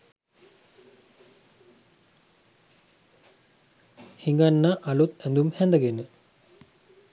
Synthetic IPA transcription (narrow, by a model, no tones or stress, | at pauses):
hiŋɡanːaʔɐlut̪ɛnd̪umhɛnd̪əɡenə